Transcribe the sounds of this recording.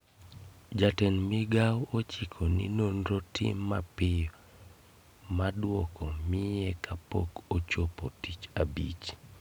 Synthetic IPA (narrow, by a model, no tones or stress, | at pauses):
d͡ʒatɛnmɪɡawot͡ʃikʰonḭnonɾotʰɪ̰mːapɪjɔ | madwɔkʰomɪjɛkapo̰kot͡ʃopotit͡ʃabḭt͡ʃ